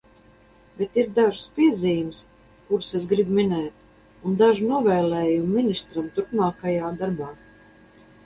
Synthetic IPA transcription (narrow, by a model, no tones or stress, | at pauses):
bet̪iɾd̪aʒspʲiɛziːjums | kuɾses̬ɡɾibminɛːt̪ | und̪aʒnuɔvɛːlɛːjumːinist̪ɾamt̪uɾpmaːkajaːd̪aɾbaː